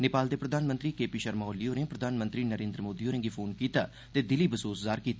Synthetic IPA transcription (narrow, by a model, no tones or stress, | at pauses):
nepaːld̪eːpɾəd̪ʱaːnmə̃nt̪ɾiːkeːpiːʃəɾmɔːliːoːnẽːpɾəd̪ʱaːnmənt̪ɾiːnəɾeːnd̪ɾəmoːd̪iːoːnẽɡiːpʰoːnkiːt̪aː | t̪eːd̪ɪliːbəsoːszaːɾkiːt̪ː